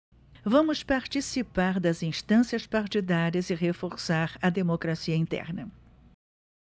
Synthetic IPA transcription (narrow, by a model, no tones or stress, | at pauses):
vɐ̃mʊspaɾt͡ʃisipaɾd̪ɐzĩst̪ɐ̃sjɐspaɾt͡ʃid̪aɾiɐzɪɦefoɾsaɾɐd̪emokɾasiɐĩnt̪ɛ̰ɾnɐ